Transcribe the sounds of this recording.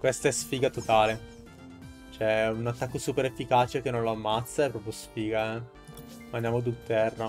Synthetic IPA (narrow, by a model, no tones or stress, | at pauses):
kwest̪aɛsfiːɡat̪ot̪aːle | t͡ʃoɛunat̪ːakːosuːpeɾefːikaːt͡ʃek̟enːõnloamːat̪sːaepːɾɔpɾjosfiːɡa | mand̪jamod̪ut̪ɛrːa